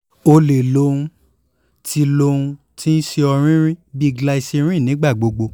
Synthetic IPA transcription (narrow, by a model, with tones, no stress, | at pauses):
o˧le˨lo˦˧ũ˧ | ti˧lo˧ũ˧ | ti˦n̩˦ʃe˧ɔ˧ɾ̃ĩ˦ɾ̃ĩ˦bi˦˧ɡla˦˧i˧se˧ɾ̃ĩ˦˨nĩ˨˦ɡ͡ba˦˨ɡ͡bo˧ɡ͡bo˧